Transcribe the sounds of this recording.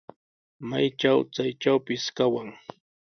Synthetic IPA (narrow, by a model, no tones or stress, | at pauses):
majt͡ʃawt͡sajt͡ʃawpɪskawaŋ